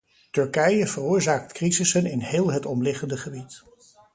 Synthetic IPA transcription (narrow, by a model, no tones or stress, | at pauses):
tɵɹkɛjəv̥ərʊːɹzaːk̚tkrizɪsənɪnɦɪːlˠɦətɔmlɪχəndəχəbit